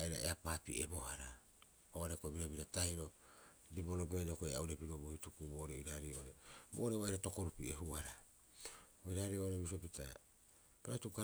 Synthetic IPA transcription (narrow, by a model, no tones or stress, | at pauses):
iɾa̰ḛapaːpḭʔḛbo̞ɦaɾa | oaɾekoebiɾabiɾataiɾo̞ | diboɾobejokoeauɾepiɾobohitukubo̞ɾeiɾaɾiooɾebo̰oɾeβaiɾato̞koɾupieɦuaɾa | oiɾaɾiooɾebis̬opitʰa̰ | kaɾatuka